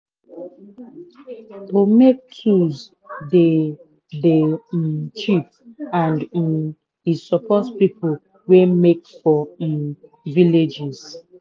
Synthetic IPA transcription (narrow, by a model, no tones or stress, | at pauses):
omek̚tʰuz | de | de | t͡ʃip̚ | ãnd̩ | isɔpɔtpipo | wemekfɔ | viled͡ʒɛz̥